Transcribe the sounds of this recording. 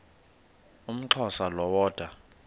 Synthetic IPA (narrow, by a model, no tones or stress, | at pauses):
um̩ǁʰɔsalɔwɔːd̥ʱwa